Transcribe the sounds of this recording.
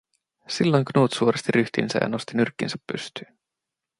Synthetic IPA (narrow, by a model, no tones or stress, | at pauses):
silːo̞jŋknuːt̪suoɾest̪iryt̪ḭnsæ̰jɑ̰no̞st̪inyrkːinsæ̥pːy̰st̪y̥ːn